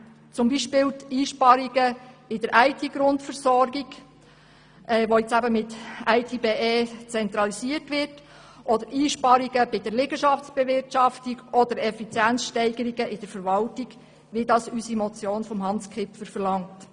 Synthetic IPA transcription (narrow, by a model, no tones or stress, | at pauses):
t͡sʊmbiʃpɪːltiːʃpɑɾiɡəb̥ɪdəɾʔæɪtʰiɡ̥ɾʊntfəɾsɔɾɡiɡ | ʔɛːʋojɪt͡sæbəmɪtæɪtʰibeːeːt͡sɛnt̪ɾɑlisiərtʋɪɾt | ʔɔdəɾiːʃpɑɾiɡəbɪd̥əɾlɪɡəʃɑft͡sb̥ɛʋɪɾtʃɑftiɡɔd̥əɾɛfit͡sjænt͡sʃtɛɪɡ̥əɾiɡəʔɪd̥əɾfəɾʋɑltiɡ | ʋidɑsysimɔt͡sjoːnfɔmɦɑnskʰɪpfəɾfəɾlɑŋt